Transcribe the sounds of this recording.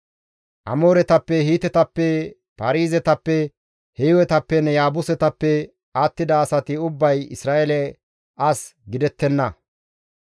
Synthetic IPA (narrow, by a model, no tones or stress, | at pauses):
ʔɐ̰mo̞ːɾɛt̪ɐpːɛhiːt̪ɛt̪ɐpːɛ | pɐɾiːzɛt̪ɐpːɛ | hɛjwɛt̪ɐpːɛnɛjaːbʊsɛt̪ɐpːɛ | aːt̪ːɪd̪ɐːsɐt̪ɪʊbːɐjɪ̰sɾaːelɛ | ʔɐsɡɪd̪ɛt̪ːɛnːɐ